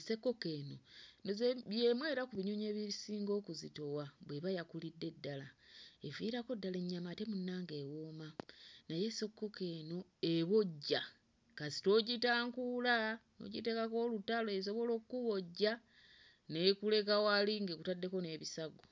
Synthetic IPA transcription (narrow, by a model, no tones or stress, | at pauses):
ese̞kːo̞keːno̞nzeβjemwe̞ːɾakuβiɲuɲeːβisiːŋɡo̞ːkuzito̞waβweβajakulidːe̞dːalaeviɾako̞dːaleɲːamate̞munːaːŋɡe̞woːmanaje̞se̞kːo̞ke̞no̞eβo̞ɟːa | kasi̥to̞ːɟitaːŋkulano̰ɟite̞kako̞ːlutaloes̬o̞βo̞lo̞ːkuβo̞ɟːa | ne̞kule̞kawaliŋɡekutadːe̞ko̞ne̞ːβisaɡo